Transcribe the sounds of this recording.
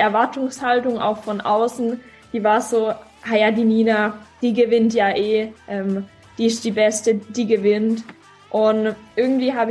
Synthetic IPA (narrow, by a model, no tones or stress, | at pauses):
ɛɐvaɐtʊŋshaltʊŋʔa̰ʊxfɔnʔa̰ʊsn̩ | d̥iːvaːɐz̥oː | hajaːdiːniːnad̥iːɡəvɪntjaːʔeːʔɛːm | d̥iːɪstd̥iːbɛstəd̥iːɡəvɪnt | ʔʊnʔɪɐɡŋ̩tv̥iːɦaːbə